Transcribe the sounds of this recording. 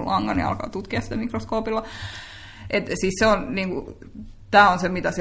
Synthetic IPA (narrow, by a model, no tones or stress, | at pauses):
lɑŋːɑ̰nḭɑ̰lkɑ̰ːt̪ut̪kiɑssit̪æmikroskoːpilːɑ | ʔet̪siːsseonniːŋkṵ | t̪æːonsemit̪æs